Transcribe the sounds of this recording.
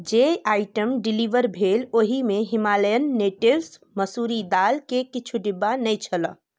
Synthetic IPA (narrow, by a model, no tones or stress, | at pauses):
d͡ʒeaːɪʈəmɖɪliʋəɾbʱeːloːɦimẽɦɪmaːləjənːeːʈɪʋs | məsuɾid̪aːlkekɪt͡ʃʰuɖɪbːanəjt͡ʃʰələ̰̃